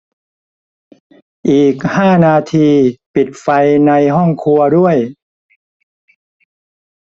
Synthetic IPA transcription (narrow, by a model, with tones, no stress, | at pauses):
ʔiː˨˩k̚haː˥˩naː˧t̪ʰiː˧pi˨˩t̪̚fa˧jna˧jɦɔ˥˩ŋkʰu˧ɐdu˥˩əj